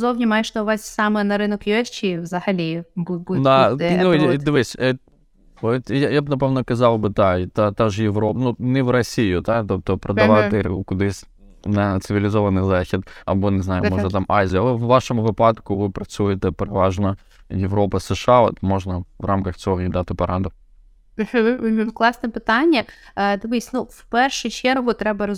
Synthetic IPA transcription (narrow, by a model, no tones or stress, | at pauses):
zovnʲɪmaʂt̪oʊvasʲsamɨnɐɾɨnɐkjot͡ɕːivzɐxɐlʲebubud̪anud̪vesʲɛ | ot̪jajabnɐpɛvnəkɐzɑlˠbɨd̪aɪt̪at̪aʐɨjɪvɾopnunʲɪvɾɐsʲijʊd̪at̪ot̪opɾɐd̪ɐʋat̪ɨʊ̰kʊd̪ɨsʲ | d̪at̪sɨvʲɪlʲɪzovɐnɨjzaxʲɪt̪ɐ̰bɔnɪznajʊmɔʒnɐt̪amʔajzʲɪɐɛʋʋaʂomʊʋɨpɑt̪kʊʋɨpɾɐsujɪt̪ɛpeɾɪʋaʐnɐ | jɪvɾopɐsɨʂao̰t̪moʐnɐvrʔamkɐxt̪sɪonʲɪd̪at̪ɪpɐɾand̪ʊ | m̩ɦ̩klˠɑsnɨpɨt̪anʲːɛd̪ɐʋɨsʲnufpɛrʂɨjt͡ɕɛɾɣɔt̪ːɾɛbɐɾɐ